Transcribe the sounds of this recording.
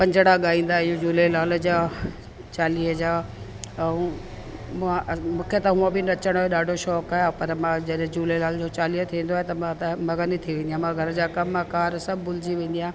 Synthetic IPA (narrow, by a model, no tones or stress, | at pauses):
pɐ̃ɲd͡ʑɽaɠaːĩːn̆d̪aɪjõd͡ʑuːlelaːld͡ʑaː | t͡ɕaːliːɦəd͡ʑaː | ũ | mãʔmũːkʰet̪ɐɦũə̃bɪnɐt͡ɕəɽ̃oːɦeɗaːɖʱoʃɔːkaːjopɐɾmãd͡ʑɐɗɦɪ̃d͡ʑuːlelaːld͡ʑot͡ɕaːliːɦət̪ʰĩːnd̪oaɦet̪ɐmãt̪ɐmɐɡənit̪ʰiʋẽːnd̪ijãmãɡʱɐɾd͡ʑaːkɐmakaːɾsɐbʱbʊlɪd͡ʑiʋẽːn̆d̪ijãː